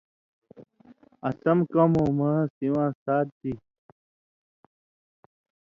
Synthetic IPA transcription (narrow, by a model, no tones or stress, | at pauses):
ɐsɐmkɐmõːmasiwãːsaːt̪̚d̪i